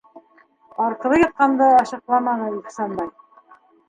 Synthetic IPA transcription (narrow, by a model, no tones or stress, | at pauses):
ɑɾqɤ̆lɤjɑt̪̚qɑnd̪ɤɑɕɤ̆qlˠɑmɑnɤiχsɑnbɑj